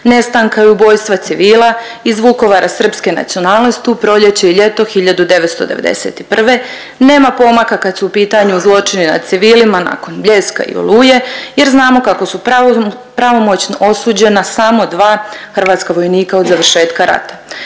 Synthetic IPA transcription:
ne̞st̪aŋkaeubo̞ːjst̪ʋat̪siʋiːla | izʋuko̞ʋaɾʔasr̩pske̞na̰t̪sio̞naːlˠnost̪iupɾo̞ʎe̞t͡ɕeiʎe̞t̪o̞xiʎad̪ud̪e̞ʋet̪st̪o̞̰d̪e̞̰ʋe̞d̪e̞̰sḛt̪i̥pr̩ʋe̞ | ne̞ːmapo̞makakad̪suːpiːt̪aɲuuzlˠo̞t͡ʃinina̰d̪̥̚t̪siʋiːlimana̰ko̞nbʎe̞ska̰ḭo̰lˠuːje̞je̞ɾznaːmo̞kako̞su | pɾaʋo̞mo̞t͡ɕnʔo̞suːd͡ʑe̞nasamo̞d̪ʋaːxr̩ʋaːt̪skaʋo̞jniːkaod̪zaʋr̩ʃe̞ːt̪kaɾa̰t̪ḁ

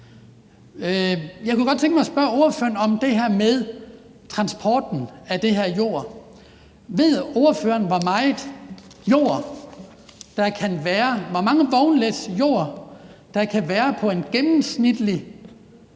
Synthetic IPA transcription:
jɑɪkuɡ̥ɒd̥̚t͡sʰeŋɡ̥mɑɪsb̥ɶɐo̝ɐføːɐnɒ̽md̥e̝ɦæɐ̰meðˠ | t͡sʰʁɑ̈nsb̥ʰɒːd̥n̩æd̥e̝ɦæɐ̰jo̝̰ɐ̰ | ʋe̝ð̰ˠo̝ːɐføːɐnʋɒmɑ̈ɪð̩ˠjo̝̰ɐ̰ | d̥ɑ̈kʰænʋæːɐʋɒmɑ̈ŋəʋɒʊnled̥jo̝̰ɐ̰d̥ɑ̈kʰæʋæːɐpʰɒ̽e̝nɡ̥emm̩snid̥li

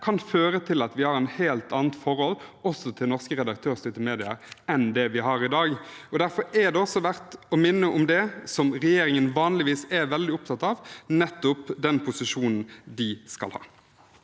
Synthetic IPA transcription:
kʰɑnføːɾət̪ʰɪlɑt̪ʋɪhɑɾɛnheːlt̪ʰɑːnt̪fɔʁhɔlɔsːɔt̪ʰɪlnɔʁskəɾɛd̪ɑk̚t̪ʰøːʁst̪ʏt̪əmeːd̪ɪəɾɛnd̪ɛʋɪɦɑɾɪd̪ɑːɡɔd̪æɾfɔɾɛd̪ɛɔsːɔʋæʁt̪ɔmɪnːəʔʊmd̪ɛsɔmɾɛjeːɾɪŋənʋɑːnlɪʋiːsɛɾʋɛld̪ɪʊp̚t̪ʰɑt̪ɑʋnɛt̪ːʊpd̪ɛnpʰʊsɪʂuːnn̩d̪ɪskɑ̰lhɑ̰ː

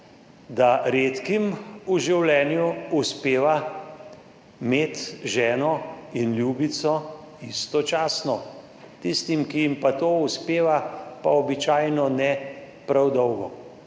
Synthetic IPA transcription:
d̪aɾeːt̪kimuʒiwlɛːnjuuspeːʋa | meːt̪ʒɛːnɔinljuːbit̪sɔ | ist̪ɔt͡ʃaːsnɔ | t̪ist̪imkijimpat̪oːuspeːʋapaɔbit͡ʃaːjnɔnɛ | pɾawd̪ɔwɡɔ

